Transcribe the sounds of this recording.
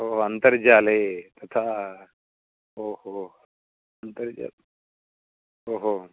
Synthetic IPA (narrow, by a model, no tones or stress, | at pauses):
oːɦoɐnt̪əɾd͡ʒaːlet̪ɐt̪ʰa | oːho | ɐnt̪əɾd͡ʒa̰ | oːɦo